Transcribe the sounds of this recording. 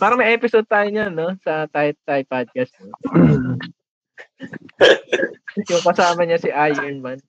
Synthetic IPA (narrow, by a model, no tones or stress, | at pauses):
paːɾɐŋmɐjʔɛːpɪsod̪̚t̪aːjoɲano̞sɐt̪ajt̪ːajpad̪̚kɐst̪no | jʊŋkɐsaːmɐɲɐsɪʔajʊnmɐn